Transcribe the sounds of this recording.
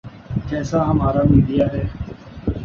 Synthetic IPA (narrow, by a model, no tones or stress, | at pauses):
d͡ʒɛːsaːɦəmaːɾaːmiːɖ̪ɪjaːɦɛː